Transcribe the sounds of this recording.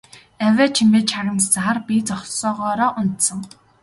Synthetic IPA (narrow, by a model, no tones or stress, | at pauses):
æwʲæːt͡ɕʰimeːt͡ɕʰaʁə̆nt͡st͡saχarpit͡sɔχsɔːʁɔːɾɔːʔʊnt̪sə̆ŋ